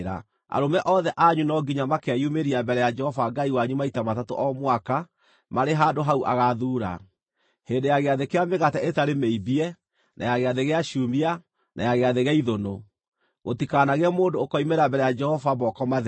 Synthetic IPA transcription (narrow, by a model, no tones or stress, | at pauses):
ɾa̰ | a̰ɾomɛʔɔðɛʔaɲunɔɡiɲamakeajumeɾiambɛɾɛjad͡ʒɛhɔvaɡaiwaɲumaitamatato̰ʔɔmwaka | maɾeɦaːndoɦauʔa̰ɣaðuːɾa̰ | heːndejaɣeaðekeameɣatɛetaɾemeibiɛ | nʔa̰jaɣeaðeɣeaʃumia | nʔa̰jaɣeaðeɣaiðono | ɣotikanaɣɛmoːndoːkɔimeɾabɛɾɛjad͡ʒɛhɔvamɔkɔmað